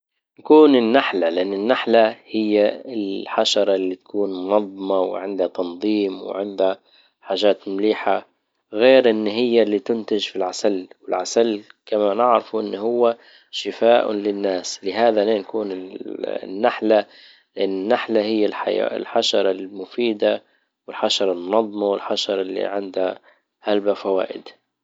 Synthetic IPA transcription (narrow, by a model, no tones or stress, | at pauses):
nakuːnɪnːaħlalɪʔanːɪnːaħlahɪjːaɪlħaʃɑɾˤɑlːit̪ḁkuːnmʊnɑðˤːɑmɑwʕɪnd̪hat̪ɑnðˤiːmw̰ʕɪnd̪ha | ħaːʒaːt̪mliːħa | ɣeːɾʔɪnːɦɪjːalːiːt̪ʊnt̪ɪʒfilʕasalwɪlʕasalkamanɪʕɾɪfuʔɪnːhʊwːa | ʃɪfaːʔʊ̰lɪnːaːslɪɦaːðaneːnkuːnɪ | nːaħla | lɪʔanːɪnːaħlahɪjːalħa̰ja̰ɪ̰lħaʃɑɾˤɑlmʊfiːd̪a | wɪlħaʃɑɾˤɑlmʊnɑðˤːɑmɑwɪlħaʃɑɾˤɑlːḭʕɪnd̪ha | halbafawa̰ːʔɪ̰d̪